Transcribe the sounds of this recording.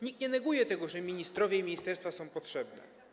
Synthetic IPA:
ɲik̚t̪ɲɛnɛɡujɛt̪ɛɡɔʐɛmʲiɲist̪ɾɔvʲjɛimʲiɲist̪ɛɾst̪fasɔ̃w̃pɔtʂɛbnɛ̰

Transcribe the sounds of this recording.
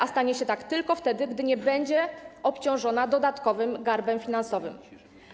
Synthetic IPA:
ast̪aɲɛɕɛt̪akt̪ɘlkɔft̪ɛd̪ɘɡd̪ɘɲɛbɛɲd͡ʑɛʔɔpt͡ɕɔ̃w̃ʐɔnad̪ɔd̪at̪kɔvɘmɡaɾbɛmfʲin̪ansɔvɘ̰m

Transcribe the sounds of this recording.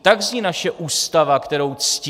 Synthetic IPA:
t̪aɡzɲiːnaʃɛʔuːst̪avakt̪ɛɾowt͡sc

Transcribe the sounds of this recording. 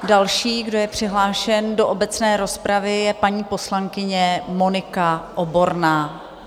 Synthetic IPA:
dalʃiːɡdo̞jɛpr̝̥ɪɦlaːʃɛndo̞ʔobɛt͡snɛːɾo̞spɾavɪjɛpaɲiːpo̞slaŋkɪɲɛmo̞nɪkaʔobo̞ɾnaː

